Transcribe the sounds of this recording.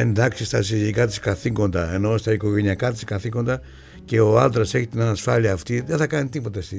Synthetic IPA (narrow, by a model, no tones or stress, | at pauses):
e̞nd̪ɐksist̪ɐsiðikɐt̪i̥skɐθiko̞nd̪ɐe̞no̞st̪ɐiko̞ʝe̞niɐkɐt̪i̥skɐθiko̞nd̪ɐ | ce̞o̞ɐnd̪ɾɐse̞çit̪inɐnɐsfɐliɐːft̪iðeθɐkɐnit̪ipo̞t̪ɐst̪i